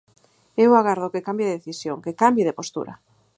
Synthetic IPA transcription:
ewaɣaɾðokekambjðeeθisjoŋkekambjeð̞epost̪ṵɾa̰

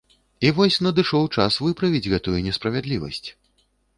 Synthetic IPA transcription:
ivɔsʲnɐd̪ɨʂɔwt͡ʂasvɨpɾɐvʲid͡zʲɣɛt̪ujunʲɛspɾɐvʲɛd̪lʲivɐ̰sʲt͡sʲ

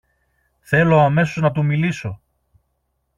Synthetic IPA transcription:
θe̞lo̞ɐme̞so̞znɐt̪umiliso̞

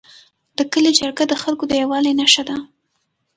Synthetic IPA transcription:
d̪̥əkəled͡ʒaɾɡad̪əxalkod̪əjawɑlajnaʃad̪a

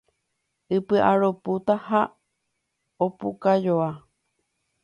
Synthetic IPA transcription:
ɨpɨʔaɾoput̪aha | opukajoa

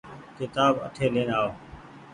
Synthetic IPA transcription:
kɪt̪aːbə̰t̪ʰeːlẽːnaːoː

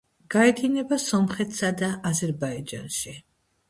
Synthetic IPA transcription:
ɡ̥aɛd̪inɛbasɔmχɛt̪ʰsad̪aʔːzɛɾbaid͡ʒa̰nʃi

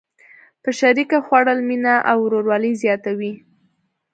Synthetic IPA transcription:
pəʃaɾikaxwaɽəlminaʔawɾoɾwɑləzjɑt̪awi

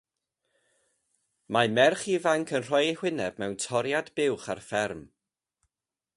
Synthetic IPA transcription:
mamɛrχivaŋkʰənr̥ɔjhwɪnɛb̥mɛwntʰɔɾjadbɪwχarfɛrm

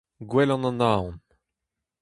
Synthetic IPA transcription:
ɡwɛlɑ̃nɑ̃naːɔ̃n

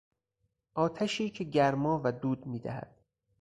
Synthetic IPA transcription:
ʔɒːt̪ʰæʃiːcʰe̞ɟæɾmɒːvæd̪uːd̪miːd̪æ̰hæ̰d̪̥̚

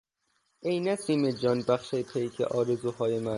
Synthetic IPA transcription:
ʔejnæsiːmed͡ʒɒːnbæxʃepʰejkʰḛʔɒːɾezuːɦɒːjemæ

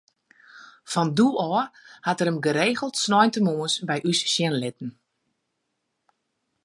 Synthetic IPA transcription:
fɔnduɔːrhatəɾəmɡəɾeːɣəlˠtsnɔjntəmoəsbɛjʔysʃjɪnlɪtn̩

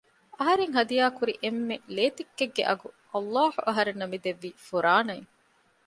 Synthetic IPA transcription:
ɐɦɐɾeŋɦɐd̪ijaːkuɾiʔemːeleːt̪ikːeɡːḛʔɐɡuʔɐlːaːhuʔɐɦɐɾenːɐmid̪eʋːiːfuɾaːnɐeŋ

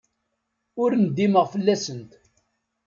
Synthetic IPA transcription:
ʊɾnəd̪ːiməʁfəlːæsənt̪

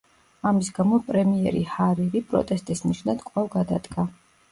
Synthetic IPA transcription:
amisɡamɔpʼɾɛmiɛ̰ɾḭhaɾiɾipʼɾɔ̰t̪ʼɛst̪ʼisniʃnad̪̥kʼwavɡad̪ad̪ɡa

